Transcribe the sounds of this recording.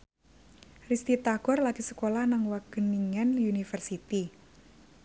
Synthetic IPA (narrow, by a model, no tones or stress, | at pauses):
rist̪it̪aɡ̥ɔrlaɡ̥isə̥kolahnaŋwaɡ̥əniŋanjunifərsit̪i